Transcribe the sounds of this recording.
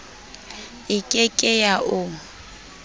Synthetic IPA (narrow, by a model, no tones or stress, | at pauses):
ɪkʼɪkʼɪjaʔʊ